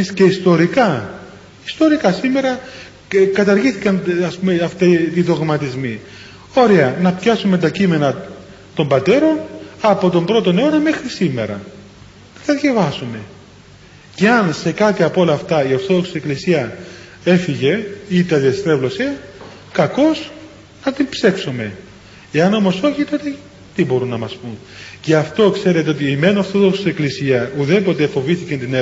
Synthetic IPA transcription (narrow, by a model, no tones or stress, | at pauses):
isce̞ist̪o̞ɾikɐ | ist̪o̞ɾikɐsime̞ɾɐ | kɐt̪ɐɾʝiθikɐnɐspumeɐft̪it̪iðo̞ɣmɐt̪izmi | o̞ɾeɐnɐpçɐsume̞nt̪d̪ɐcime̞nɐ | t̪o̞mbɐt̪e̞ɾo̞nɐpo̞t̪o̞mbɾo̞t̪o̞neo̞nɐme̞xɾisime̞̰ɾɐ̰ | nɐt̪ɐðʝɐvɐsume̞ | ce̞ɐnse̞kɐt̪iɐpo̞lɐːft̪ɐio̞ɾθo̞ðo̞ksi̥seklisiɐ | e̞fiʝe̞it̪ɐðiɐst̪ɾe̞vlo̞se̞ | kɐko̞s | nɐt̪impse̞ksome̞ | eɐno̞mo̞so̞çit̪o̞t̪e | t̪ibo̞ɾunːɐmɐspun | ceɐft̪o̞kse̞ɾet̪eot̪iime̞noɾθo̞ðoksi̥seklisiɐuðe̞po̞t̪e̞fo̞viθicent̪ine